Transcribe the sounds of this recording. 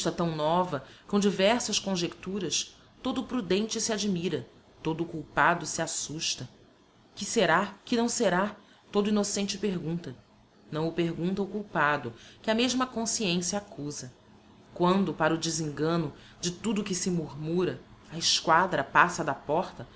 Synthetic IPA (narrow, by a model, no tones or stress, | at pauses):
t̪ɐt̪ɐ̃w̃nɔvɐkõw̃d͡ʒivɛɾsɐskõʒekt̪uɾɐs | t̪od̪ʊpɾud̪ẽnt͡ʃɪsɪad͡ʒimiɾɐ | t̪od̪ʊkuwpad̪ʊsɪasuʃt̪ɐ | kɪseɾakɪnɐ̃w̃seɾa | t̪od̪ʊinosẽnt͡ʃɪpeɾɡũt̪ɐ | nɐ̃w̃ʊpeɾɡũnt̪ɐukuwpad̪ʊkɪɐmeʒmɐkõsiẽsjɐakuzɐ | kwɐ̃nd̪ʊpaɾʊd͡ʒɪzĩŋɡɐ̃nʊ | d͡ʒɪt̪ud̪ʊkɪsɪmuɾmuɾɐɐɪskwad̪ɾɐpasɐd̪ɐpɔɾt̪ɐ